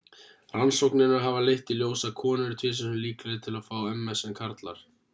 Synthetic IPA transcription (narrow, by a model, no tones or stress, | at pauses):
r̥ansowknɪnaɦavalejht̪ɪljoːwsakʰɔːnɪɾɪt̪ʰvɪːs̬ɛnʏmliːklaðɪt̪ʰɪlafaːwɛmːɛsɛnkʰaɾt̪la̰ɾ̥